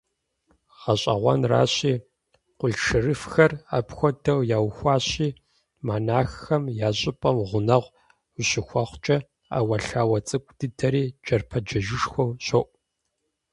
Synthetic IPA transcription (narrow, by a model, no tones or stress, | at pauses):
ʁ̥ɐɕʼɐ̰ʁʷɐ̰nra̰ːɕiː | qʷʊɮʈ͡ʂʰɨrɨfxɐra̰pxʷɔdʰɐwjaːwxʷɑːɕiː | maːnaːxːɐmjaːɕʼɪpʼɐmʁʷʊnɐʁʷ | ʊɕɪxʷɑχʷt͡ʃʼɐ | a̰ːwɐɬaːwɐt͡sʼɨkʷʼd̥ɨdʰɐɾiːd͡ʒɐrpʰɐd͡ʒɐʒɪʂxʷowɕoʔʷʼ